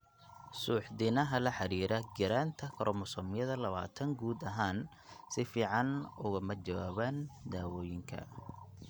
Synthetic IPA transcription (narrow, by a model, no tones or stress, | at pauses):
suːħd̪ɪnɐɦɐlɐħɑɾiːɾɐɡɪɾaːnt̪ʰɐkʰɐɾʔɔmʊsɔmɪjɐðɐlɐβa̰ːt̪ʰɐŋɡuːd̪ɐɦaːn | sɪfiːʕɑnʊɣɐmɐt͡ʃɐwaːβand̪aːwɔːjɪŋkʰɐ̰